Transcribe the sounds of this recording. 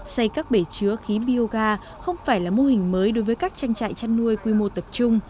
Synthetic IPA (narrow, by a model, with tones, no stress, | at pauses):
sa˧jkaː˦˥k̚ɓe˧˩t͡ɕɨ˨˦əxi˨˦ɓi˧o˧ɣaː˧ | xə˧wŋ͡mfaː˧˩jlaː˨˩mo˧hï˨˩ŋ̟məː˨˦jɗo˨˦jvəː˨˦jkaː˦˥k̚t͡ɕa˧jŋt͡ɕa̰ː˧˨jt͡ɕa˧nnu˧əjkwi˧mo˧t̪ə˨˩p̚t͡ɕʊ˧ŋ͡m